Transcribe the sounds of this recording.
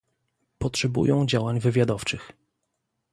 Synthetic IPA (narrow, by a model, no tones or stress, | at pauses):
pɔtʂɛbṵjɔ̃w̃d͡ʑawaɲvɘvʲjad̪ɔft͡ʂɘx